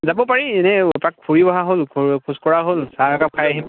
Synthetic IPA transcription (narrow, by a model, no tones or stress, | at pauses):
zabɔpaɹiɛnɛpɹakkʰuɹibɔɦaɦolkʰukʰuskɔɹaɦolsaakap̚kʰajaɦim